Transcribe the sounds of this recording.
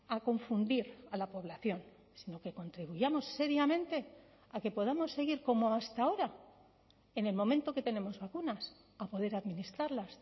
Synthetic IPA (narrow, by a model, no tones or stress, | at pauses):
ako̞ɱfund̪iɾalapo̞β̞laθjo̞n | sino̞ke̞ko̞nt̪ɾiβ̞uʝamo̞sːe̞ɾjamẽ̞nt̪e̞ | ake̞po̞ðamo̞sːe̞ɣ̞iɾko̞mo̞ast̪ao̞ɾa | e̞ne̞lmõ̞mẽnt̪o̞ke̞t̪e̞ne̞mo̞zβakunas | apo̞ðe̞ɾaðminist̪ɾaɾlas